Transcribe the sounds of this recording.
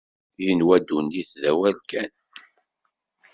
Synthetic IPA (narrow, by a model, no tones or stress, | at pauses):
jənwæd̪unːiθðæwælkæn